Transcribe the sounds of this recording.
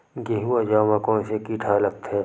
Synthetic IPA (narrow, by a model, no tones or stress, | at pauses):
ɡeɦuad͡ʒaːmãkõːnsekiːʈʰaləɡt̪ɦɛː